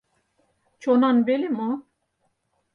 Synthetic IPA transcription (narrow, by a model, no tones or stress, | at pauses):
t͡ʃʰɔnanbelimɔ